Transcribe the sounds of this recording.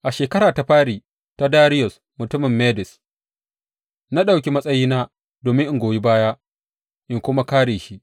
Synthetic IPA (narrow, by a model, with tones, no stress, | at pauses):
ʔa˨ʃeː˨kɐ˦ɾaː˨ta˦ɸaː˦ɽiː˨ | ta˦daː˦ɾɪ˦jɔ˨s | mʊ˨tʊ˦mɪ˨mːeː˦dɪ˨s | na˦ɗa˨wkʲi˦mɐ˦sʼɐ˦jiː˦naː˦ | doː˨mɪ˦ʔɪ˦˨ɡʷoː˨ji˦baː˦ja˦ | ʔɪ˨ŋkʷʊ˦ma˦kaː˦ɽeː˨ʃi˦ʔ